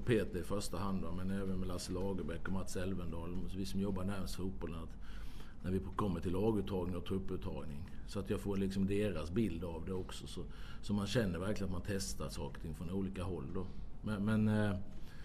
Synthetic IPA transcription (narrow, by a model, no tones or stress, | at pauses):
pʰeːt̪ɪɪfœʂʈaɦand̪vamɛnɛːvənmɛlaslɑːɡəbɛkːɔmat̪sɛlvənd̪ɑːlmviːsɔmjɔbːaɳæɾmsfuːt̪̚bɔlənat̪næɾvɪkʰɔmːəʈʰɪlːɑːɡʉ̟ːt̪ʰːɑːɡnɪŋɔt̪ʰɾɵpːʉ̟ːt̪ʰːɑ̰ːɡnɪŋsɔat̪jɑːɡfoːɾlɪksɔmd̪eːɾasbɪld̪avd̪ɛɔksɔsɔsɔmanɕɛnːəɾvæɾklɪənt̪mant̪ʰɛst̪aʂɑːkəɾt̪ʰɪŋfɾɔnuːliːkaɦɔlːd̪ɔmɛmɛn